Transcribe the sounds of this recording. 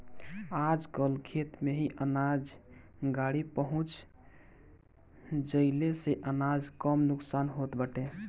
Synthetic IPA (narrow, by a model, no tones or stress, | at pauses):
ad͡ʒkəlkʰet̪meɦiʔənad͡ʒ | ɡaɽipəɦũt͡ʃ | d͡ʒəɪleseʔənad͡ʒkəmnuksanɦot̪bəʈe